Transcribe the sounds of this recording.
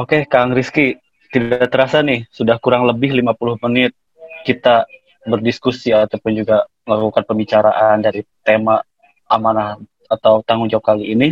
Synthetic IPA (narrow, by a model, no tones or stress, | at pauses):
okekaŋɾiski | t̪idaaʔt̪əɾasanɪhsudahkuɾaŋləbɪɦlimapulʊhmənɪt̪̚ | kit̪a | bərdiskusiat̪apʊnd͡ʒuɡaməlakukanpəmbit͡ʃaɾaʔandaɾit̪ema | amanah | at̪awt̪aŋuŋd͡ʒawap̚kaliːni